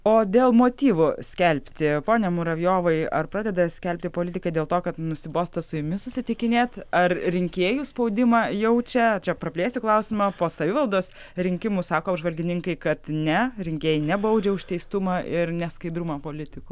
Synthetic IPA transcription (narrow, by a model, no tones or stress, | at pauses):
oːd̪ʲeːlˠmoːt̪ʲiːʋʊsʲkʲɛlʲpʲt̪ʲɪpoːnʲɛmʊɾɐʋʲjoːʋɐɪɐ̰rpɾɑːd̪ʲɛd̪ɐsʲkʲɛlʲpʲt̪ʲɪpoːlʲɪt̪ʲɪkɐd̪ʲeːlˠt̪oːkɐt̪nʊsʲɪboːst̪ɐsʊjʊmʲɪsʊsʲɪt̪ʲɪkʲɪnʲeːt̪ɐrɾʲɪŋʲkʲeːjuːspɐʊd̪ʲɪmɑjɛʊt͡ʃʲɛt͡ʃʲɛpɾɐpʲlʲeːsʲʊklˠɐʊsʲɪmɐpoːsɐʋʲɪʋɐlˠd̪oːs | ɾʲɪŋʲkʲɪmusɑːkoːɐbʒʋɐlʲɡʲɪnʲɪŋkɐɪkɐt̪nʲɛɾʲɪŋʲkʲeːjɪnʲɛbɐʊd͡ʒʲɛʊʃʲt̪ʲɛɪst̪ʊmɑɪɾnʲɛskɐɪd̪ɾʊmɐpoːlʲɪt̪ʲɪkʊ